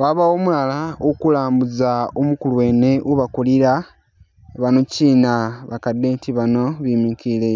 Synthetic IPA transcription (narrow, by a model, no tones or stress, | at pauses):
waβaomulalaokulaːmbuzaomukuluwe̞ːne̞ʔuβakuliɾa | βanociːnaβakadeːtiβano̞βimikile